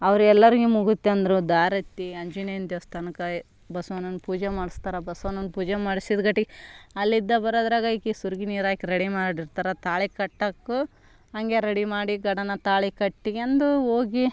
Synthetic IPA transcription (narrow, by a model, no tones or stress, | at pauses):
ɐʋɐɾuɛlːɐɾiɡumuɡut̪ːeɐnd̪ɐɾud̪aːɾɐt̪ːiɐɲd͡ʒuneɐnt̪ost̪ɐnɐkɐ | bɐsʋɐnɐnːupuːd͡ʒemaːɽist̪aːɾɐbɐsʋɐnːɐnpuːd͡ʒemaːɽisid̪ɡɐʈːiɡɐlːid̪ːɐbɐɾoːd̪ɾaːɡɐikisuɾɡiniːɾaːjkiɾeɽimaːɽiɾt̪aːɾɐt̪aːɭikɐʈːɐkːu | ɐŋɡe̞ɾeɽimaːɽiɡɐɽɐnɐt̪aːɭikɐʈːiɐnd̪uoːɡi